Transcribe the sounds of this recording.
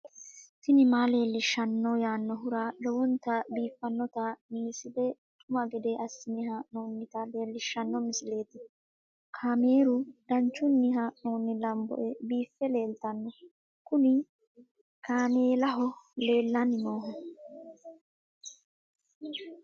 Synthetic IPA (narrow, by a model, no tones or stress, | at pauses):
t̪ɪnɪmaːle̞ːlːɪʃːɐnːɔjaːnːɔɦʊɾalɔwɔnt̪ɐbiːfːɐnːɔt̪ɐmɪsɪd̪ɛt̪ʼʊmɐɡɛd̪eʔɐsːɪnɪhaːʔnoːnːɪt̪ɐle̞ːlːɪʃːɐnːɔmɪsɪle̞ːt̪ɪ | kʰaːmeːɾʊd̪̥ɐnt͡ʃːʊnːɪɦaːʔnoːnːɪlɐmbɔ̰ʔɛbiːfːɛle̞ːlt̪ɐnːɔ | kʊnɪ | kʰaːmeːlɐɦɔle̞ːlːɐnɪno̞ːɦɐ